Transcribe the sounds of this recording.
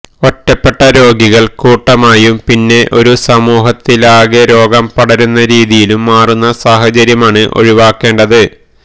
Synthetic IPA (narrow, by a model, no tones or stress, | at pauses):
o̞tːɐpːe̞ʈːɐɾo̞ːɡiɣɐɭkuːʈːɐmaːjumpinːe̞ʔo̞ɾusɐmuːɦɐt̪ːilaːɡeɾo̞ːɡɐmpɐɽɐɾunːɐɾiːðijilumːaːrunːɐsaːɦɐt͡ɕɐɾjɐmaːɳɨʔo̞̰ɻiʋaːkːe̞ːɳɖɐðɨ